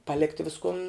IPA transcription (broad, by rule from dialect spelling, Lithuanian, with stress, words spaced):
pɐˈlʲɪktʲɪ ˈʋʲɪskʊn